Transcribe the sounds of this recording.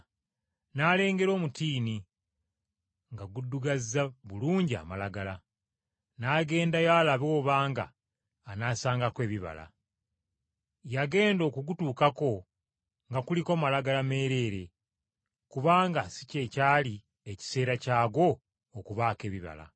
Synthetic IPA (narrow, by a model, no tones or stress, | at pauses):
naːle̞ːŋɡe̞ɾo̞ːmutiːni | ŋɡaɡudːuɡazːaβuluːɲɟia̰malaɡala | naːɡe̞ːndajaːlaβo̞ːβaːŋɡa̰ː | naːsaːŋɡakwe̞ːβiβa̰la̰ | jaɡe̞ːndo̞ːkuɡutuːkako̞ | ŋɡakulikomalaɡalame̞ːɾe̞ːɾe̞ | kuβaːŋɡasi̥ce̞caːli | eci̥se̞ːɾacaːɡo̞ː | kuβaːke̞ːβiβa̰la̰